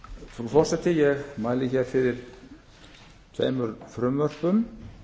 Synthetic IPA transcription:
fɔfɔr̥sɛt̪ɪjɛɣmaːjlɪçɛɾ̥fɪðɪɾ̥ | t̪ʰvḛːjmʏɾfɾʏmvœr̥pʏm

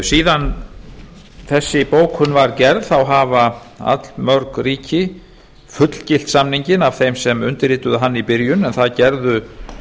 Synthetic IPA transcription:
siːðan | θɛsːɪpoːwkhʏnːvaɾcɛɾðθawɦaːva | a̰t̪lmœɾkriːcɪ | fʏt̪l̥cɪl̥t̪samniɲcɪnavθejmsɛmʏnt̪ɪɾiːt̪ʏðʏɦanːipɪɾjʏnɛnθaðcɛɾðʏ

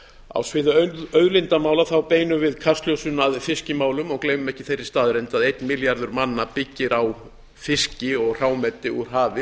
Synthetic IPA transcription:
a̰wsvɪðʏœœɥðlɪnt̪amaːwlaθawpeːjnʏvɪðkʰast̪ljowsʏnaðfɪscɪmaːwlʏmɔɣkleːjmʏmɛhcɪ̥θejɾːɪ̥st̪aːðɾɛnt̪aðejt̪nmɪljaɾðʏɾmanːapɪcːɪɾaw | fɪscɪɔɣr̥aːwmɛt̪ːɪuɾ̥ɦaːvɪ

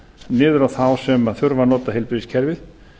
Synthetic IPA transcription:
nɪːðʏɾawθawsɛmaθʏɾvanɔːt̪aɦɪlpɾɪðiscʰɛɾvɪð

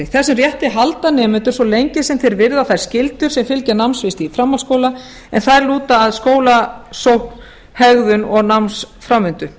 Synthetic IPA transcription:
θɛsʏmrjɛht̪ɪɦalt̪anɛːmʏnt̪ʏɾ̥sɔlejɲcɪ̥sɛmθeɾvɪɾðaθajɾ̥scɪlt̪ʏɾ̥sɛmfɪlcanawmnsvɪst̪ifɾamːḁskoːwla | ɛnθaɾluːt̪aːðskoːwlasowhk̪ | hɛɣðʏnɔɣnawmnsfɾamːʏnt̪ʏ

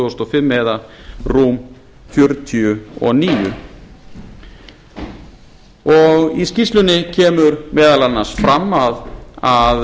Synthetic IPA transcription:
oːst̪ɔfɪmːeːðarum | fjœɾt̪ʰiʏɔ̰niːjʏ̰ | ɔɣiscist̪lʏnːɪcʰɛːmʏɾmɛːðalanːasfɾamːaðað

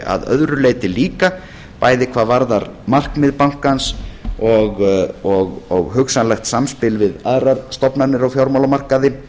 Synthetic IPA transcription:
a̰ðœ̰ðɾʏleːjt̪ɪliːka | paːjðɪkʰvaːðvaɾðaɾmar̥kmɪðpaŋ̥kansɔɣɔɣɔɣɦʏksanlɛxt̪samspɪlvɪðaðɾaɾ̥st̪ɔpnaɾnɪɾawfjawɾmawlamar̥kaðɪ

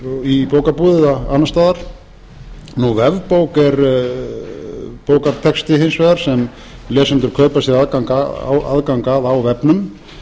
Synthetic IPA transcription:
ipoːwkapuːðɪðaanast̪aːðaɾ̥ | nuvɛvpowkɛɾ | poːwkaɾt̪ʰɛkst̪ɪɦensvɛːðaɾ̥sɛm | lɛːsɛnt̪ʏɾ̥kʰœːpasjɛðaðkaŋka̰wa̰ðkaŋkaðawvɛpnʏm

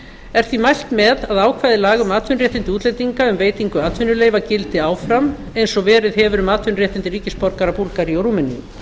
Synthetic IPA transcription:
ɛɾ̥θvimajl̥t̪mɛðaðaːwkʰvajðɪlaːɣʏmaːt̪ʰvʏnrjɛht̪ɪnt̪ɪuːt̪lejt̪iŋkaʏmveːjt̪iŋkʏaːt̪ʰvʏnʏleːjvacɪlt̪ɪaːwfɾam | ejnsɔvɛːɾɪðɦɛvʏɾʏmaːt̪ʰvʏnrjɛht̪ɪnt̪ɪɾriːcɪspɔɾkaɾapuɾkaɾiowɾumɛnḭ

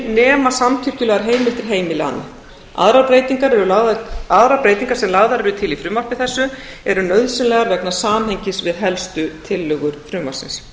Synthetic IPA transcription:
nɛːmasamt̪ʰʏr̥cʏlɛːɣaɾɦeːjmɪlt̪ɪɾ̥ɦeːjmɪla̰nːa̰ | a̰ðɾapɾejt̪iŋkaɾɛɾʏlaaðɾapɾejt̪iŋkaɾ̥sɛmlaːɣðaɾɛɾʏt̪ʰɪlifɾʏːmar̥pɪ̥θɛsːʏ | ɛɾʏnœɥðsʏnlɛːɣaɾvɛknḁsaːmɦejɲcɪsvɪðɦɛlst̪ʏt̪ʰɪlːœɣʏɾ̥fɾʏːmar̥sɪ̰ns

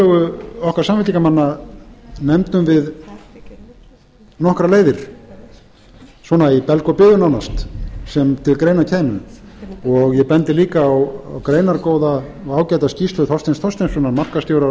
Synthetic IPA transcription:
ɔːɣʏɔhkaɾ̥saːmvɪt̪likamanːa | nɛmt̪ʏmvɪð | nɔhkɾaleːjðɪɾ̥ | swɔːnaipɛlkɔpɪːðʏnawnast̪sɛmt̪ʰɪlkɾeːjnacʰɛːjmʏ | ɔɣjɛpɛnt̪ɪliːkaːw̰wkɾeːjnaɾkoːwðaaːwcajt̪ascist̪ʏθɔst̪enst̪ʰɔst̪ɛnsɔnamar̥kast̪jowɾa

